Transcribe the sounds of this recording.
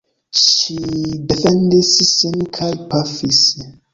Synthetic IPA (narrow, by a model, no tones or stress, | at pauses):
ʃidɛfɛ̃ndissĩnkʰajpʰafis